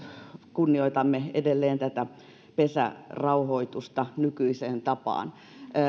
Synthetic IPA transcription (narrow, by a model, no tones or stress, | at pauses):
kunːioit̪ɑmːeḛdelːeːnt̪æt̪æ | pesæ̰rɑuhoit̪ust̪ɑnykyiseːnt̪ɑpɑ̰ːn